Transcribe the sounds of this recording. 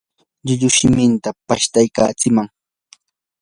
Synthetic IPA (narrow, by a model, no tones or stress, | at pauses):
ʎʊʎʊʃɪmɪnt̪apaʃt̪ajka̰ːt͡sɪmaŋ